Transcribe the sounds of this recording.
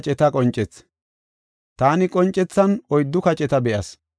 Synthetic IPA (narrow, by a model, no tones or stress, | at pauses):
t͡ʃʼɛt̪ɐkʼɔnt͡ʃʼɛt͡s | t̪aːnɪkʼɔnt͡ʃʼːɛt͡sːɐnɔjd̪ːʊkɐt͡ʃʼɛt̪ɐbɛʔɐs